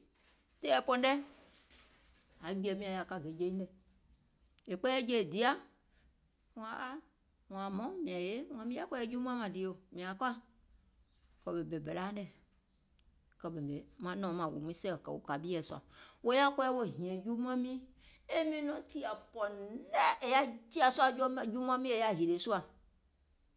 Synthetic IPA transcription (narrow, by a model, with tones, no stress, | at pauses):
te˦ɛ˨pɔ˨n˦ɖɛ˦ | a˨˦ɡ͡bi˦ɛ˨mĩ˦ã˨ja˨ka˦ɡe˨d͡ʒe˦ĩ˦dɛ˨ | e˨k͡pɛ˦ɛ˦d͡ʒe˦˨di˨a˦ | ŋ̃˨a˨ʔa˦ | ŋ̃˨a˨mɔ̃˦mĩ˨ã˨je˦ŋ̃˨ã˨mĩ˦a˦kɛ˦e˦d͡ʒu˦m˦ã˦mã˨di˨o˦˨mĩ˨a˨ka˦ | kɔ˨be˨be˨be˨la˦ɖɛ˨ | kɔ˨be˨be˨mã˨nɔ̃˦mã˨wṵ˨m˦ĩ˦sɛ˦˨kɛ̰˨wo̰˨ka˨bi˦ɛ˨sɔ˦a̰˨wo˦ja˦kɔ˦e˦wo˦ɦĩ˨ẽ˨d͡ʒu˦m˦ã˦mĩ˦ | e˦mĩ˦nɔ̃˦t̪i˦a˨pɔ˨n˦nɛ˦e˨ja˦d͡ʒi˦a˨sɔ˦a˨d͡ʒɔ˦d͡ʒu˦m˦ã˦mĩ˦e˨ja˦ɦi˨ɖe˨su˦a˨